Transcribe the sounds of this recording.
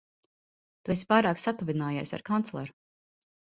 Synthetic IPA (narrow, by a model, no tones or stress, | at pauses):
t̪uesi̥paːjɾaːksat̪uvinaːja̰jsʲa̰ɾkant̪lˠɛ̰ɾu